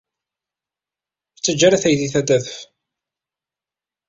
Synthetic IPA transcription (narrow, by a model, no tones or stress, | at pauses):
t͡sːəd͡ʒːaɾæθæjðiθæd̪æðəf